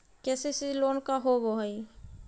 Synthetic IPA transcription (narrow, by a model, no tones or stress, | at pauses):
kesisilonkaɦoɡoɦəj